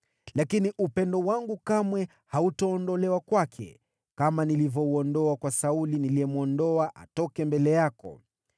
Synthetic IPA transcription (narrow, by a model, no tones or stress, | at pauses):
lakiniʔupɛndɔwaŋɡukamwɛ | hautɔɔndɔlɛwakwakʰɛ̰ | kamanilivɔuɔndɔakwasauliniliɛmuɔndɔaʔa̰tɔkɛmbɛlɛjakɔ̰